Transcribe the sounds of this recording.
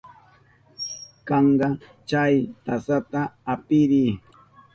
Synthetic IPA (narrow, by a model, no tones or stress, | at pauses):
kɑɴɢɑ | t͡ʃajt̪asat̪aːpɪɾiː